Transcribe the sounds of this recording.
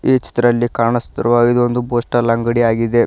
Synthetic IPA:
eːt͡ʃi̥t̪ɾɐlːikaːɳɐst̪ɾɐʋaːid̪ond̪uboːsʈɐɾlɐŋɡɐɽiaːɡid̪e

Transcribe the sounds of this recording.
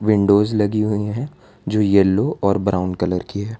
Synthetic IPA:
ʋɪ̃ɳɖoːzlɐɡiɦʊeɦɛ̃ | d͡ʒoːjɛloʔɔːɾbɾaːʊɳɖkɐləɾkiɦɛː

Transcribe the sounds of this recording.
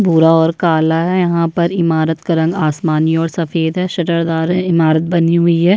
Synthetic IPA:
bʱuːɾaɔːɾkaːlaɦɛjɐɦãpɐɾɪmaːɾət̪kɐɾɐ̃ŋɡaːsmaːniɔːɾsɐfeːd̪ɦɛʃɐʈəɾd̪aːɾɦɛɪmaːɾət̪̚bɐniɦʊiɦɛː

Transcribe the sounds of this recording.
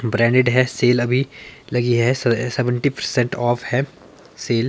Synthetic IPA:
bɾɛ̃ːɳɖɪɖɦɛseːlɐbʱilɐɡiɦɛsɛʋə̃ɳʈipɐɾsɛ̃ɳʈɔːfhɛː | seːl

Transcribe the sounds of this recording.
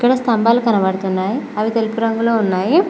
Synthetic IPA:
ikːɐɽɐst̪ɐmbaːlukɐnɐʋɐɽut̪unːaːjiɐʋit̪elipuɾɐŋɡuloːunːaːji

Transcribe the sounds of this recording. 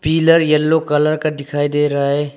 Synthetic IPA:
piːləɾjɐlːokɐləɾkad̪ɪkʰaːid̪eːɾɐɦaɦɛː

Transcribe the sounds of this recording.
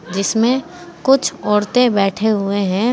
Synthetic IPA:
d͡ʒɪsmẽ | kʊt͡ʃʰɔːɾt̪ebɛːʈʰeɦʊeɦɛ̃

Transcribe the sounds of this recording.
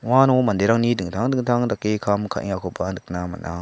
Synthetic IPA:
wanomandeɾaŋnidɯŋtʰaŋdɯŋtʰaŋdakːekʰamkʰaʔḭŋakʰopandɯk̚nama̰na̰

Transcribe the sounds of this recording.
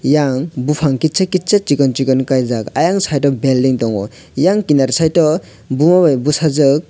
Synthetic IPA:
jaŋbupʰaŋkit͡ʃakit̚t͡ʃat͡ʃikɔnt͡ʃikɔnkajzakajaŋsajtɔbeldiŋtɔŋɔ̰ | jaŋkinaɾsajtɔ | bumabajbusazɯk̚

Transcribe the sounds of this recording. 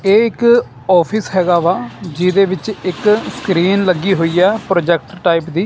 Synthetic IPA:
eːɪk | ɔːpʰɪsɦɛːɡaːʋaːd͡ʒɪd̪eːʋɪt͡ʃɪkskɾiːnləɡiːɦoːiːaːpɾoːd͡ʒɛk̚ʈʈaːipd̪iː

